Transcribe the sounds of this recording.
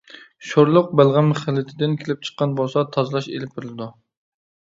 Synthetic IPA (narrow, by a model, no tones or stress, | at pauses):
ʃoɾlˠʊq̚bælˠʁæmχɪlːɪt̪ʰɪd̪ɪnkʲʰelɪp̚t͡ʃʰə̥qːɑnbolˠsɑt̪ʰɑzlˠɑʃḛlɪp̚bɪɾɪlɪd̪u